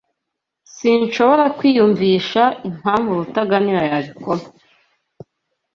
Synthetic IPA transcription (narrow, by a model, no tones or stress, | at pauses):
sinʃo̞βo̞ɾakwiːjuɱviːʃaʔim̥haːɱvuɾutaɡaniɾajaβikoɾa